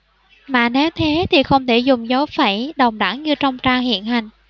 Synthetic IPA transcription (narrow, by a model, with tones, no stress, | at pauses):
maː˨˩ne˨˦wt̪ʰe˨˦t̪ʰi˨˩xə˧wŋ͡mt̪ʰe˧˩zʊ˨˩ŋ͡mzə˨˦wfaː˧˩jɗə˨˩wŋ͡mɗa̰˧˥ŋɲɨ˧t͡ɕɔ˧wŋ͡mt͡ɕaː˧ŋhḭ˧˨ənɦa˨˩jŋ̟